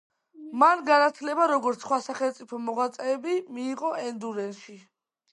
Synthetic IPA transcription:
manɡanat̪ʰlɛbaɾɔɡɔɾt̪sʰχwasaχɛlt̪sʼipʰɔmɔʁwat̪sʼɛːbimiːʁɔʔɛnd̪uɾɛnʃi

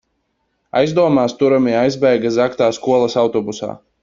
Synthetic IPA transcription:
a̰jzd̪uɔmaːst̪uɾamiajzbæjɡaszakt̪aːskuɔlˠɐsawt̪ɔbusa̰ː

